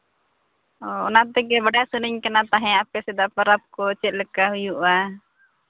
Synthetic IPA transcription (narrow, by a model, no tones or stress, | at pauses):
ɔɔ̰nat̪ɛkɛbaɖasəniɲkanat̪aɦɛ̃apɛsɛd̪aʔpəɾap̚kɔɔt͡ʃɛt̪̚lɛkaɦujuʔa